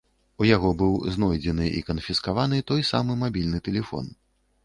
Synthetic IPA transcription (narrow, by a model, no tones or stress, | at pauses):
ujaɣɔbɨwznɔjd͡zʲɛnɨʔḭkɐnfʲiskavanɨt̪ɔjsa̰mɨmabʲilʲnɨt̪ɛlʲɛfɔ̰n